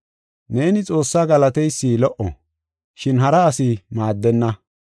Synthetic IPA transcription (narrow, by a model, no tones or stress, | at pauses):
ne̞ːnɪt͡sʼo̞ːsːaːɡɐlɐt̪ɛjsːiːlɔʔɔ̰ | ʃɪnɦɐɾɐːsɪmaːd̪ːɛnːɐ